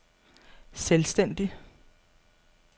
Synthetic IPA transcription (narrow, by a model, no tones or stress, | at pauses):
selsd̥en̰d̥i